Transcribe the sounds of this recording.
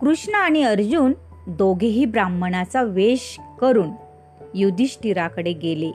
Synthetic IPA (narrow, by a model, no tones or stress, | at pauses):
kɾuʂɳəaɽ̃iəɾd͡ʑuːn | d̪oɡʱeɦiːbɾamənat͡saʋeɕkəɾuːn | jud̪iɕʈiɾakəɽeɡele